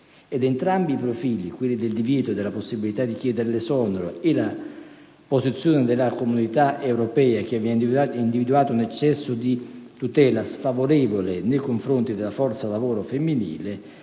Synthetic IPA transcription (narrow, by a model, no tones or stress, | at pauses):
ed̪ent̪ɾambiːpɾofiːlikwilːid̪eld̪ivjɛːt̪od̪elːaposːibilit̪ad̪ːik̟jɛːd̪eɾlɪsɔnoɾoela | posit̪sːjoːnɪd̪elakomunit̪aewɾopɛːak̟aviind̪ivid̪uaːt̪ounɛt͡ʃːɛsːod̪it̪ut̪ɛːlasfavoɾɛːvolɪnejkoɱfɾont̪id̪elːafɔrt̪salavoːɾofemːinḭːle